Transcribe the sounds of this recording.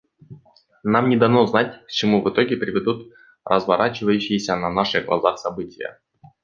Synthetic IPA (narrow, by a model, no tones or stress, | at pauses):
namnʲɪd̪ɐvnoznat̚ʲkə̥t͡ɕɪmuvɨt̪o̞ɡʲɪpɾʲɪvʲɪd̪ut̪ | rəzvɐ̰ɾʔat͡ɕɪvəjʉɕːɪjesʲənɐnaʂɨɡlˠɐ̰zaxsɐbɨtʲɪjə̰